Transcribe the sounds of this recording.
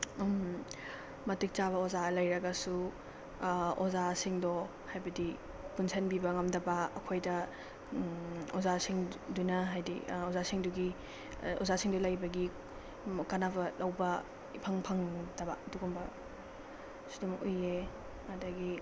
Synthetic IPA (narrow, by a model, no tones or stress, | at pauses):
m | mɐtik̚t͡ʃaβɐozalɐjɾɐɡɐsu | ozasiŋdɔ | hajbɐdi | punsʰɐnbibɐŋɐmdɐbɐ̰ːkʰojdɐ | ozasiŋdunɐɦajdḭozasiŋduɡi | o̰zasiŋdɔlɐjbɐɡi | kɐnabɐlɐwbɐ | ipʰɐŋpʰɐŋdɐbɐɐduɡumbɐ | sudumuje | ɐdɐɡi